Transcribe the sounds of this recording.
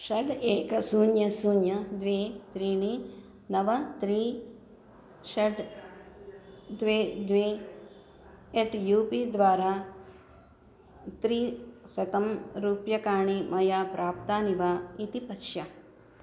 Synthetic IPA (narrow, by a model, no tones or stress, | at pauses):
ʃɐɖeːkɐsuːnjɐsuːnjɐd̪ʋeːt̪ɾiːɳi | nɐʋɐt̪ɾiː | ʃɐɖ | d̪ʋeːd̪ʋeː | eʈjuːpid̪ʋaːɾaː | t̪ɾiːsɐt̪ɐmɾuːpjɐkaːɳimɐjaːpɾʔaːp̚t̪aːniʋaːit̪ipɐʃja